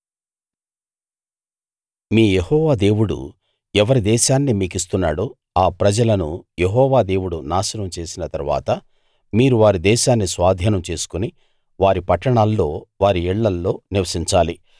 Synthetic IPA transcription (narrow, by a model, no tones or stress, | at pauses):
miːjehɔːʋaːd̪e̞ːwuɽṵ | ɛʋɐɾid̪ɛːʃaːnːimiːkist̪unːa̰ːɽoː | aːpɾɐd͡ʒɐlɐnujeɦɔːʋaːd̪e̞ːwuɽunaːʃɐnɐmt͡ʃe̞ːsinɐt̪ɐɾʋa̰ːt̪ɐ | miːɾuʋaːɾid̪ɛːʃaːnːisʋaːd̪ʱjɐnɐmt͡ʃe̞ːsu̥kuni | ʋaːɾipɐʈːɐɳaːlːo̞ːʋaːɾiɛɭːɐlːo̞ːniʋɐsiɲt͡ʃaːli